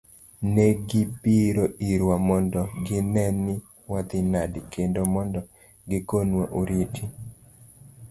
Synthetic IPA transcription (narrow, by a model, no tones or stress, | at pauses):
nɛɡɪpiɾoiɾwamɔndɔɡɪnɛnɪ | wat̪ɪnadkʰendomɔndɔ | ɡɪkonwaʔoɾitʰi